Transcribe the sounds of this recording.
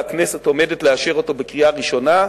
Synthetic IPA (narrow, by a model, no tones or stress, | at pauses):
aknese̞to̞medetleaʃeʁo̞to̞bekʁiaʁiʃo̞na